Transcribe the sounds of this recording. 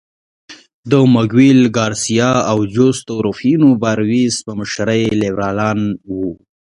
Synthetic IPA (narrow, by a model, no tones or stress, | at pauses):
d̪əmaɡwilɡɑɾsijɑawd͡ʒost̪oɾofinobaɾwizpəməʃɾəjlewɾɑlɑnwu